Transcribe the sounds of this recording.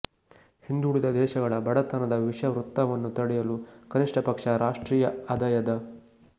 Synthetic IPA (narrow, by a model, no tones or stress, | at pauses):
hind̪uɽid̪ɐd̪ɛːʃɐɡɐɭɐbɐɽɐt̪ɐnɐd̪ɐʋiʂɐʋɾut̪ːɐʋɐnːut̪ɐɽɛjɐlukɐniʂʈɐpɐkʂɐɾaːʂʈɾiːjɐɐd̪ɐjɐd̪ɐ